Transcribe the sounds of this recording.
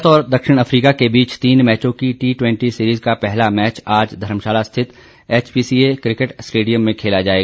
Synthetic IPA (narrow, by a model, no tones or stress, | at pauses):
t̪ɔːɾd̪ɐkʃɪɽ̃ɐfɾiːkakebiːt͡ʃt̪iːnmɛːt͡ʃõkiʈiːʈwɛ̃ɳʈisiːɾiːzkapɛɦlamɛːt͡ʃaːd͡ʒd̪ʱɐɾəmʃaːlast̪ʰɪt̪ | eːt͡ʃbiːsiːekɾɪkeʈsʈeːɖijəmːẽkʰeːlad͡ʒaːeːɡa